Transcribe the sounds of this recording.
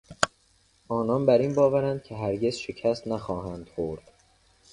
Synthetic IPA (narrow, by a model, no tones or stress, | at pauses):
ʔɒːnɒːnbæɾiːnbɒːvæɾænd̪̥̚cʰeɦæɾɟe̞zʃecʰæst̪næxɒːɦænd̪̥xoɾd̪̥